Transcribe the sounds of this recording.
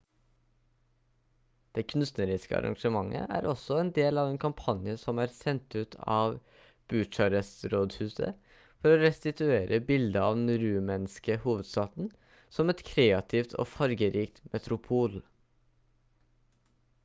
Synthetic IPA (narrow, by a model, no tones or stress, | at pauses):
d̪̥eːkʰʉnnst̪nəɾɪskə̰ɑ̰ɾɑ̰ŋʂəmɑŋʔə̰ʔæ̰ːɾʔɔsɔeːnd̪eːlɑːʋeːnkʰɑmpʰɑnjəsɔmæːɾsɛnt̪ʉːt̪ʰɑ̰ːʋ | b̥ʉt͡ʃɑɾəsɾoːd̪hʉːsə̰ | fɔɾoːɾɛst̪ɪt̪ʉeːɾʔəbɪld̪əɑːʋd̪n̩ɾʉːmɛnskəhuːʋəd̪st̪ɑːt̪n̩ | sɔmɛt̪kʰɾeːɑt̪ʰɪft̪ʰo̰ːfɑɾɡəɾiːk̚t̪mʔɛt̪ɾʊpʰuːl